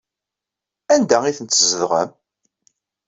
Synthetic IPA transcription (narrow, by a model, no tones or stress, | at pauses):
ænd̪æiθənt̪ːzəðʁə̰m